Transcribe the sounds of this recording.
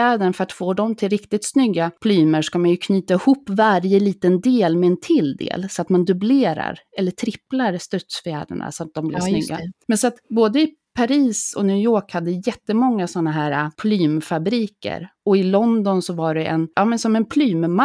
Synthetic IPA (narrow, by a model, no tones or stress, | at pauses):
æːd̪əɳfœɾat̪foːɖɔmt̪ʰɪlɾɪkt̪ɪt̪snʏɡːapʰlyːməʂkamanjɵkʰnyːt̪aɪhuːpːvaɾjəliːt̪ənd̪eːlmɛɛnt̪ʰɪld̪ḛːlsɔat̪mand̪ɵbleːɾa̰ɾɛlːəʈʰɾɪplaɾst̪œt̪sfjæ̰ːd̪ə̰ɳa̰sɔat̪̚d̪ɔmblɪ̰snʏɡːa̰mɛnsɔat̪boːd̪əɪ | pʰaɾiːsɔ̰njʉ̟ːjoːkhad̪ːəjɛt̪ːəmɔŋːasɔnːaɦæːɾa̰pʰlyːmfabɾiːkə̰ɾɔɪlɔnd̪ɔnsɔvaɖɛʔɛ̰njʔɑːmɛnsɔmɛnpʰlyːmma